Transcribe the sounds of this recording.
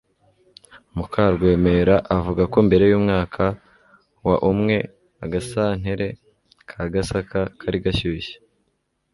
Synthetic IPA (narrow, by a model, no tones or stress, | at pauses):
mukʰaɾɡwe̞ːme̞ɾaʔavuɡako̞mbe̞ɾe̞juːmŋaːkʰa | waʔumŋe̞ | aɡasaːn̥eɾe̞ | kʰaɡasakakʰaɾiɡaʃuiʃe̥